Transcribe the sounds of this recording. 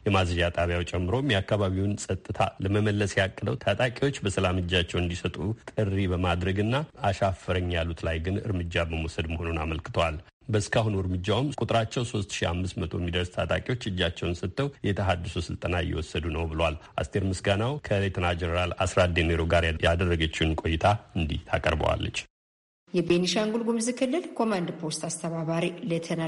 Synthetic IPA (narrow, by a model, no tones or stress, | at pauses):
jɛmazəd͡ʒat̪ʼaβjawt͡ʃʼɛmːɨɾo̞mjɛakːaβaβiwnsʼət̪ʼːɨt̪ʰa̰ləməməlːəsjakʼːəd̪əwt̪ʰat̪ʼakʼiwo̞t͡ʃːbəsəlamɨd͡ʒːat͡ʃːɛwɨnd̪isət̪ʼut̪ʼɨrːibəmad̪ɾəɡɨnːaːʃafːəɾəɲːjalːut̪lajɡɨnɨ̰ɾmɨd͡ʒːabəmwsəd̪məhonunaməlkɨt̪ʰəwal | bəskʰaɦunuɨɾmɨd͡ʒːawmkʼut̪ʼɾat͡ʃːɛwso̞st̪ʃia̰mːɨsmət̪ʰo̞mːid̪əɾst̪ʰat̪ʼa̰kʼiwo̞t͡ʃːɨd͡ʒːat͡ʃːɛwnsət̪ʰːəwjɛt̪ʰəɦad̪ɨsusɨlt̪ʼənajɛ̰wɔsːəd̪unəwbɨləwalʔa̰st̪ʰe̞ɾmɨsɡanawkʰəlet̪ʰənad͡ʒɛnəɾalasɾad̪emeɾo̞ɡaɾjajad̪ərːəɡət͡ʃːɪnkʼo̞jːɪt̪ʰaɨnd̪ḭht̪ʰa̰kʼə̰ɾbə̰wa̰lːə̰t͡ʃː | jɛbeniʃaŋɡulɡumzɨkʰɨlːɨlkʰo̞mand̪pʰo̞st̪ast̪ʰəβaβaɾilet̪ʰəna